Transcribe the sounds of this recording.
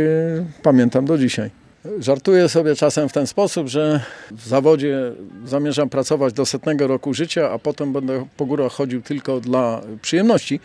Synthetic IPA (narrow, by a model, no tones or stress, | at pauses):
pamʲjɛnt̪amd̪ɔd͡ʑiɕaj | ʐaɾt̪ujɛsɔbʲjɛt͡ʂasɛmft̪ɛnspɔsubʐɛvzavɔd͡ʑɛzamʲjɛʐampɾat̪sɔvad͡ʑd̪ɔːst̪at̪nɲɛɡɔɾɔkuʐɘt͡ɕaapɔt̪ɛmbɛnd̪ɛpɔɡuɾaxxɔd͡ʑiwt̪ɘlkɔd̪lapʂɨjɛmnɔɕt͡ɕi